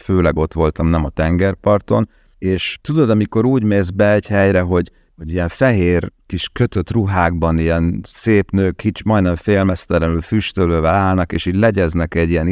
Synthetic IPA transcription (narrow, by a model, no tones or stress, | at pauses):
føːlɛɡo̞t̪ʋo̞lt̪ɒmnɛmɒt̪ɛŋɡɛrpɒrt̪o̞n | eːʃt̪ud̪o̞d̪ɒmiko̞ɾuːɟmeːzbɛɛɟhɛjɾɛɦo̞ɟ | ho̞ɟijɛɱfɛɦeːrkiʃkø̞t̪ø̞t̪ruɦaːɡ̚bɒnijɛnseːpnøːkit͡ʃmɒjnɛɱfeːlmɛst̪ɛɾɛnylfyʃt̪øløːvɛlaːlnɒkeːʃit̪lɛɟɛznɛkɛɟːijɛn